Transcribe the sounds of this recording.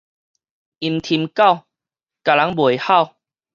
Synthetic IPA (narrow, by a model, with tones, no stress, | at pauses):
i˧˩nt̪ʰi˧mka˥˧˨w | ka˨la˨˦ŋbwe˨˩jha˥˧˨w